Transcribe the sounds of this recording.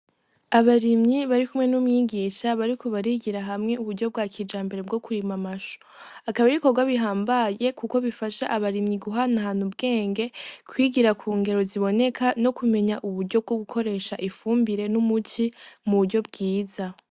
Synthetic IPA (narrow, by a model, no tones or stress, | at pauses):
aβaɾimɲiβaɾikumŋe̞numŋiːɡiʃaβaɾikʰoβaɾiɡiɾaɦamŋe̞uβuɾɟo̞b̚ɡwaːkʰid͡ʒaːmbe̞ɾe̞b̚ɡo̞kuɾimamaʃo̥ | akaβeɾiko̞ɡwaβiɦaːmbaje̞kuko̞βifaʃaʔaβaɾimɲiɡuɦanaɦaːn̥hubɡe̞ːŋɡe̞kwiːɡiɾakʰuːŋɡe̞ɾo̞ziβo̞ne̞kʰano̞kume̞ɲaʔuβuɾɟo̞b̚ɡo̞ɡukʰo̞ɾe̞ːʃaʔifuːmbiɾe̞numutʰimuβuɾɟo̞b̚ɡiːza